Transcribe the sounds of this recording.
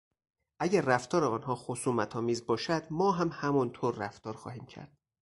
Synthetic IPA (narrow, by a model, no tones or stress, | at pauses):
ʔæɟæɾːæft̪ʰɒːɾeɒːnɦɒːxosuːmæt̪ʰɒːmiːzbɒːʃæd̪̥mɒːɦæmhæmɒnt̪ʰoːɾːæft̪ɒːɾxɒːhiːmcʰæ̰ɾd̪̥̚